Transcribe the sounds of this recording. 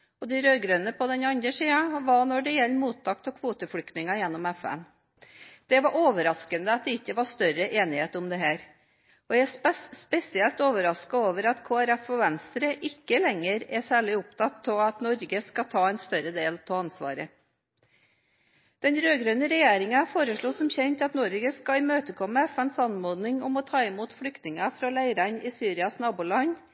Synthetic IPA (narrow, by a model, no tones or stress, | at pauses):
ɔd̪ɛɾøːɡɾøːnəpʰɔd̪ɛnɑnd̪ɾəʂiːɑʋɑɳɔɖɛjɛlːəmuːt̪ʰːɑkt̪ɔkʰʋuːt̪əfɽʏkt̪nɪŋɑjɛnːɔmɛfæ̰n | d̪̥ɛʋɑɾʔoːʋəɾɑskənd̪əɑt̪̚d̪ɛɪkːəʋɑʂt̪œɾəʔeːnɪheːt̪ʊmd̪ɛɦæːɾ | ɔjææspɛsɪɛlt̪oːʋəɾɑskɑoːʋəɾɑt̪kʰoːæɾɛfɔʋɛnst̪ɾəʔɪkːəlɛŋːəɾɛsæːɭɪʊpt̪ʰɑt̪ʰːɔɑt̪nɔɾɡəskɑt̪ʰɑːɛnst̪œɾəd̪eːlp̪ʰɔɑnsʋɑ̰ːɾə | d̪̥ɛnɾøːɡɾøːnəɾɛjeːɾɪŋɑfoːɾəʂɭusɔmçɛnt̪ɑt̪nɔɾɡəskɑɪmøːt̪əkʰɔmːəɛfɛnsɑnmoːd̪nɪŋɔmɔt̪ʰɑːɪmuːt̪fɽʏkt̪nɪŋɑfɾɑlæɪɾɑɲɪsyːɾɪɑsnɑːbuːlɑɲ